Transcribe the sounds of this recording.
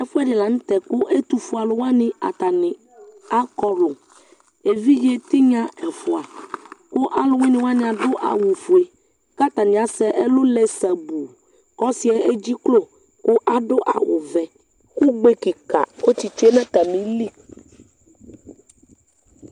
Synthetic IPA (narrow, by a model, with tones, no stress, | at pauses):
ɛ˦fɛ˦ɖɪ˨la˨ñ̩˦t̪ɛ˨kʊ˦ʔe˦t̪u˦fu˦a˨lo˦wa˦nɪ̃˦a̰˨t̪a˨nɪ̃˨ | a˦kɔ˦lʊ˨ | e˨vi˦je˦t̪i˦ɲã˦ɛ˨fu˨a˨ko˦ʔa˦lʊ˦wẽ˦nɪ̃˨˦wa˦nɪ̃˨a˨ɖʊ˦ʔa̰˨wu˨fu˨e˨ | ka˦t̪a˨nɪ̃˨a˨sɛ˦ʔe˦lo˦le˨sa˨bu˨ | kɔ˦si˨˦ɛ˦e˦d͡ʑi˦klo˦˨ | kʊ˦ʔa˨ɖʊ˦ʔa̰˨wʊ̰˨vɛ˨ | ku˦ɡ͡be˦ki˨ka̰˨ko˦t͡ɕi˨t͡ʃe˦nã˦t̪a˨mĩ˨li˦